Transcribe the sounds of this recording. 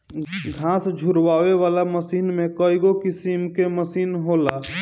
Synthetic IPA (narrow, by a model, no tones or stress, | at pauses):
ɡʱãsd͡ʒʱuɾʋaʋeʋalaməsiːnmekəjɡokisimkeməsiːnɦola